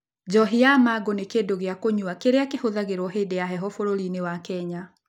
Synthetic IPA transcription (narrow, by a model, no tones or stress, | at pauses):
d͡ʒɔɦiamaɡonekendoɣeakoɲwakeɾeakehoðaɣeɾwɔɦedejaɦɛɦɔfoɾoɾinewakɛɲa